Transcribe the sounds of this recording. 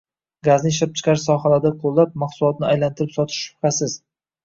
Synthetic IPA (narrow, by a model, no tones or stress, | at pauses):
ɡaznɪɪʃɪp̚t͡ʃʰɪ̥qʰɑɾsɒχalaɾd̪aqʰolˠːap̚maqsʊlˠɒt̪̚nɪajlant̪ʰɪɾɪpsɒt̪ʰɪ̥ʃːʊ̥χasɪz̥